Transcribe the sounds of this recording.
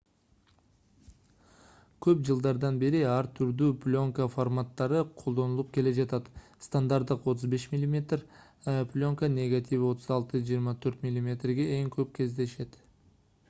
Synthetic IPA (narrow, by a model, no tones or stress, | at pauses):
kʲʰɵpd͡ʒəlˠd̪ɑɾd̪ɑnbe̞ɾɪɑɾt̪ʰʏɾd̪yplʲo̞ŋkəformat̪ːɑɾəqʰolˠd̪o̞nəlˠəp̚kʲʰe̞le̞d͡ʒɑt̪ɑt̪ | st̪and̪aɾt̪əqwo̞t̪ʊzbe̞ʃmʲilʲːimʲet̪r | pʲlʲo̞ŋkənʲe̞ɡat̪ʰʲivwo̞t̪ʰəzɑlˠt̪əʒijəɾmɑt̪ʰɵɾt̪mʲilʲˠimʲe̞t̪rɡʲe̞eŋkʲʰɵp̚kʲʰe̞zd̪e̞ʃe̞t̪